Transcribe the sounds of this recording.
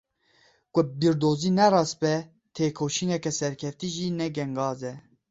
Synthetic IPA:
kʷʼʊbiɾd̪oːziːnɛɾɑːs̚bɛ | t̪ʰeːkʰoːʃinɛkɛsɛɾkʰɛft̪iːʒiːnɛɡɛŋɡɑːzɛ

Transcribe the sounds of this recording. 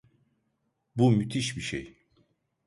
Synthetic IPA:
bumyt̪ʰiʃbiʃḛj

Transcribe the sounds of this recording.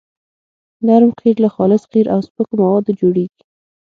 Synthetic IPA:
naɾmqʰiɾlaxɑlɪsqiɾʔawspəkomawɑd̪od͡ʒoɽeɡi̥

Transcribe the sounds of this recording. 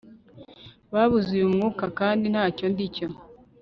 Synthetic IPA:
βaβuzujumŋuːkakaːndinhaːco̞ndico

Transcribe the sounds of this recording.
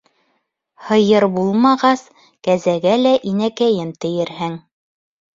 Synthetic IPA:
hɤ̆jɤɾbulˠmɑʁɑs | kæzæɡælæʔinækæjɘmt̪ɘ̆jɘɾhɘŋ

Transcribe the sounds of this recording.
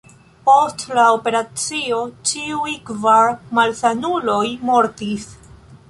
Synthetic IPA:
po̞stlaope̞ɾat͡sio̞t͡ʃiujkvaɾmalsanulo̞jmo̞ɾtis

